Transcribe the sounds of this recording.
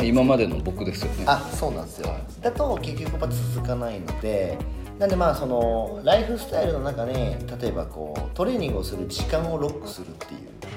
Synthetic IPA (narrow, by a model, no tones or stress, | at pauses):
imamad̪e̞no̞̰bo̞kɯ̟d̪e̞sɨjoneaso̞ːnã̰esɨjo̞̰d̪at̪o̞ke̞kʲːo̞kɯ̟mːat̪et͡ssɨzɨkanaino̞̰d̪e̞ | nãnd̪e̞maːso̞no̞ɾaiɸɯ̟sɨ̥t̪aiɾɯ̟no̞nãkanet̪at̪o̞e̞ba̰ko̞̰ːt̪o̞ɾe̞ːɲʲĩŋɡɯosɨɾɯ̟d͡ʑikãɰ̃o̞ɾo̞kːɯ̟̥sɨɾɯ̟t̪ːe̞̰jɯ̟̰ː